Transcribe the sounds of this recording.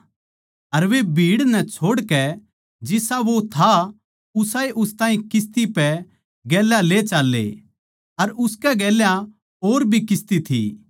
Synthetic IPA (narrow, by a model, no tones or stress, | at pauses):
ɐɾʋebʱiːɽnɛt͡ʃʰoːɽkɛ | d͡ʒɪsaʋot̪ʰa | ʊsaːeʔʊst̪ãːĩkɪs̬t̪ipɛ | ɡɛːlːalet͡ʃaːlːḛ | ɐɾʊskɛɡɛːljã | oːɾbʱikɪst̪it̪ʰḭ